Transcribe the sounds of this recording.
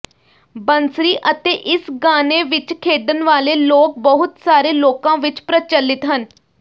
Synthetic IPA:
bənsɾiːʔət̪eːʔɪsɡaːneːʋɪt͡ʃkʰeːɖənʋaːleːloːk̚bəɦʊt̪saːɾeːloːkãːʋɪt͡ʃpɾət͡ʃəlːɪt̪ɦən

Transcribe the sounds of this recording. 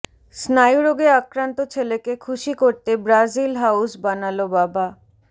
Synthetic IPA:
snajuɾoɡeɾakɾant̪ot͡ɕʰelekekʰuʃikoɾt̪ebɾazilɦawsbanalobaba

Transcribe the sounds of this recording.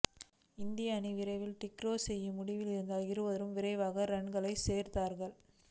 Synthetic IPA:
ɪnd̪ɪjɐːniʋɪɾɐɪʋɪlʈɪkɾoːsɛjːɯmʊɽɪʋɪlɪɾɯnd̪aːlɪɾɯʋɐðɐɾɯmʋɪɾɐɪʋaːɣɐɾɛɳɡɐɭɐɪseːɾt̪aːɾɣɐɭ

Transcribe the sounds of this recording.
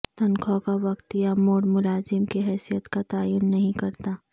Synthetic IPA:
t̪ɐ̃nkʰɔkaʋɐkt̪ɪjamoːɽmʊlaːzɪmkiɦɛːsijət̪kat̪aːjuːnːɐɦĩkɐɾt̪aː

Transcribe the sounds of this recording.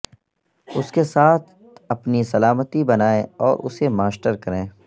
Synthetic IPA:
ʊskesaːt̪ʰ | ɐpnisɐlaːmət̪ibɐnaːẽɔːɾʔʊsemaːsʈəɾkɐɾẽː

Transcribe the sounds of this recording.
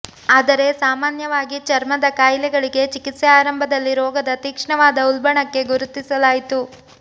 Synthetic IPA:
aːd̪ɐɾe̞saːmaːnjɐʋaːɡit͡ʃɐɾmɐd̪ɐkaːjlɛɡɐɭiɡe̞t͡ʃikit̪sɛaːɾɐmbʱɐd̪ɐlːiɾɔːɡɐd̪ɐt̪iːkʂɐɳɐʋaːd̪ɐulbɐɳɐkːe̞ɡuɾut̪ːisɐlaːjit̪u

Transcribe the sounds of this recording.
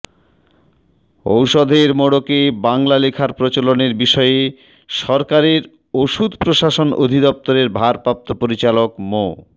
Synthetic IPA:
o̰wʃod̪ʱeɾmoɽokebaŋlalekʰaɾpɾot͡ɕoloneɾbiʃɔee | ʃɔɾkaɾeɾ | oʃud̪ʱpɾoʃaʃono̰d̪ʱid̪ɔp̚t̪oɾeɾbʱaɾpɾap̚t̪opoɾit͡ɕalokmo

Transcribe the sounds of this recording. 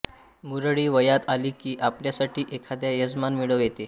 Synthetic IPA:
muɾəɭiːʋəjat̪aliːkiːʔapljasaʈiːʔekʰad̪jajəd͡zmanmiɭəʋjet̪e

